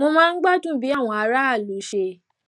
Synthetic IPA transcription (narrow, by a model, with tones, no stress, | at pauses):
mo˧mãː˦˧n̩˦ɡ͡ba˦tũ˦bi˨˦a˦˨w̃ɔ̃˨˧a˨˧˦ɾa˦a˦˨lu˨˦ʃe˧